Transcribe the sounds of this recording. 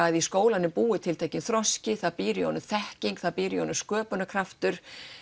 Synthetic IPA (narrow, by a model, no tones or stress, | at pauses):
ajðiskoːwlanʏmpuːɪt̪ʰɪlt̪aːjcɪnθɾɔscɪθaðpiːɾɪiɔ̰nʏmθɛhciŋkθaðpiːɾiɔnʏmskœːpʏnakʰɾaft̪ʏɾ̥